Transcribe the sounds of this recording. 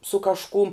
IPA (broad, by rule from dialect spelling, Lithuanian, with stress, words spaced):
sʊ kɐʃˈkʊm